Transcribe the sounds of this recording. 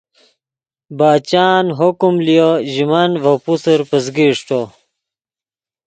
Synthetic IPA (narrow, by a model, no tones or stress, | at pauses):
baːt͡ɕaːnɦokumlijɐʑimanvɐpusɐɾpɐzɡiʂʈo